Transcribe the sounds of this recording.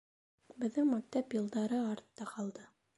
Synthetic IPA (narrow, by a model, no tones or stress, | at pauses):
bɘ̆ðːɘŋmæk̚t̪æpjɤ̆lˠd̪ɑɾɤɑɾt̪ːɑqɑlˠd̪ɤ